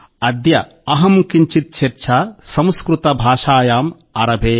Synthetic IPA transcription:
ɐd̪jɐ | ɐɦɐmkiɲt͡ʃit̪̚t͡ʃʰeɾt͡ʃʰaːsɐ̃m̃skɾut̪ɐbʱaːʃaːjaːm | ɐɾɐbʱeː

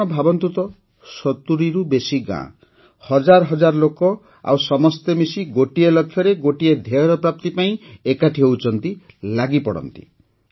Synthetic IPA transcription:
ɔbʱabɔnt̪ut̪ɔ | sɔt̪uɾiɾubesiɡã̰ | hɔd͡ʒaɾɔɦɔd͡ʒaɾlokɔ | a̰wsɔmɔst̪emisiɡoʈielɔkʰːjɔɾeɡoʈied̪ʱeɔɾɔpɾap̚t̪ipaĩekaʈʰiɔut͡ʃʰɔnt̪i | laɡipɔɽɔ̰nt̪i̥̰

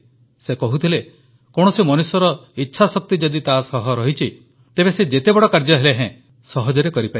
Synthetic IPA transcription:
sekɔɦut̪ʰile | koɽ̃ɔsimɔnusɔɾɔitːʃʰasɔk̚t̪id͡ʒɔd̪it̪asɔɦɔɾɔɦit͡ʃʰi | t̪ebesed͡ʒet̪ebɔɽɔkaɾd͡ʒɔɦeleɦɛ̃ | sɔɦɔd͡ʒɔɾekɔɾipa

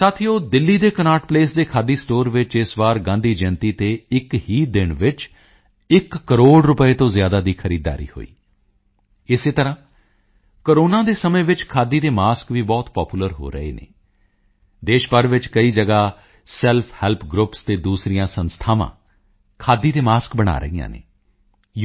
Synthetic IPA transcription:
saːt̪ʰijoːd̪ɪlːiːd̪eːkənaːʈpleːsd̪eːkʰaːd̪iːsʈoːɾʋɪt͡ʃɪsʋaːɾɡãːnd̪iːd͡ʒɛ̃nt̪iːt̪eːɪkhiːd̪ɪɳʋɪt͡ʃ | ɪkːəɾoːɽɾʊpəeːt̪õːzɪjaːd̪aːd̪iːkʰəɾiːd̪a̰ːɾḭːho̰ːḭː | ɪseːt̪əɾãː | kəɾoːnãːd̪eːsəmẽːʋɪt͡ʃkʰaːd̪iːd̪eːmaːskʋiːbɔːt̪pɔːpuːləɾɦo̰ːɾəḛːnḛː | d̪eːʃpəɾʋɪt͡ʃkəiːd͡ʒəɡaː | sɛlpʰhɛːlpʰɡɾʊpst̪eːd̪uːsɾɪjãːsənst̪ʰaːʋã̰ː | kʰaːd̪iːd̪eːmaːskbəɽ̃a̰ːɾə̰ijã̰ːnḛː

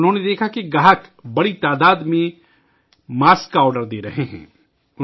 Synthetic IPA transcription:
ʊnɦõːned̪eːkʰakiɡaːɦəkbɐɽit̪aːd̪aːd̪mẽ | maːskaɔːɾɖəɾd̪eːɾɐɦeɦɛ̰̃ː | ʊ

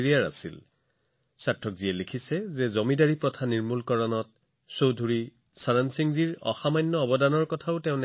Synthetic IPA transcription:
ɹijaɹa̰sḭl | satʰːɔk̚ziɛlekʰisɛzɛzɔmidaɹipɹɔtʰaniɹmulkɔɹɔnɔt̚ | sowdʱuɹi | saɹansiŋziɹɔ̰xamajnːɔɔbɔdanɔɹkɔtʰaʊtɛʊ̃nɛ

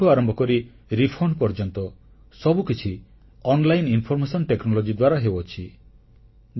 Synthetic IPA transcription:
uaɾɔmbʱɔkɔɾi | ɾipʰɔɳɖpɔɾd͡ʒɔnt̪ɔ | sɔbukit͡ʃʰi | ɔnlajininpʰɔɾmesɔnʈeknɔlɔd͡ʒid̪waɾaɦebot͡ʃʰi

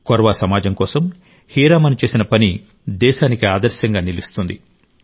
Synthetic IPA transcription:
kɔɾʋasɐmaːd͡ʒɐmkɔːsɐm | hiːɾaːmɐnit͡ʃe̞ːsinɐpɐni | d̪ɛːʃaːnikiaːd̪ɐɾʃjɐŋɡaːnilist̪und̪i

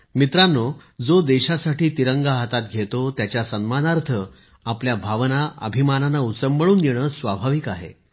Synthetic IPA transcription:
mit̪ɾanːod͡zod̪eɕasaʈiːt̪iɾəŋɡaɦat̪at̪̚ɡʱet̪ot̪jat͡ɕjasənmanaɾt̪ʰə | apljabʱaʋnaʔə̰bʱimananaut͡səmbəɭuːnjeɽ̃əːsʋabʱaʋikaɦḛ

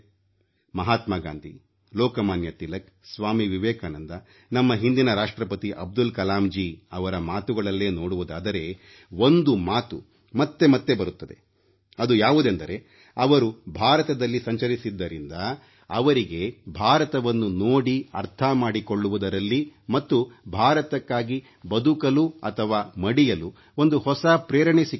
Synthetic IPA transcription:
mɐɦaːt̪maɡa̰ːnd̪ʱi | lɔːkɐmaːnjɐt̪ilɐk | sʋaːmiʋiʋɛːkaːnɐnd̪ɐ | nɐmːɐɦind̪inɐɾaːʂʈɾɐpɐt̪iʔɐb̚d̪ulkɐlaːmd͡ʒiːɐʋɐɾɐmaːt̪uɡɐɭɐlːe̞ːno̞ːɽuʋud̪aːd̪ɐɾe̞ | o̞nd̪umaːt̪u | mɐt̪ːe̞mɐt̪ːe̞bɐɾut̪ːɐd̪e̞̰ | ɐd̪ujaːʋud̪end̪ɐɾe̞ | ɐʋɐɾubʱaːɾɐt̪ɐd̪ɐlːisɐɲt͡ʃɐɾisid̪ːɐɾind̪ɐː | ʋɐɾiɡe̞bʱaːɾɐt̪ɐʋɐnːunoːɽiɐ̰ɾt̪ʰɐmaːɽiko̞ɭːuʋud̪ɐɾɐlːimɐt̪ːubʱaːɾɐt̪ɐkːaːɡi | bɐd̪ukɐluɐt̪ʰɐʋaːmɐɽijɐlu | ond̪uhɔsɐpɾeːɾɐɳesi

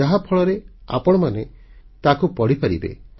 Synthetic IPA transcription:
aɦapʰɔɭɔɾea̰pɔɽ̃ɔmane | t̪akupɔɽ̤ipaɾḭbḛ

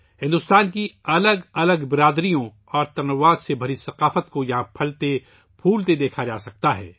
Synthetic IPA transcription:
hɪ̃nd̪ʊst̪aːnkiɐləɡɐləɡbɪɾaːd̪ɾijõ | ɔːɾt̪ɐɾnɐʋaːzsebʱɐɾisɐqaːfət̪kojɐɦãpʰɐlt̪e | pʰuːlt̪ed̪eːkʰad͡ʒaːsɐk̚t̪aɦɛ̰ː

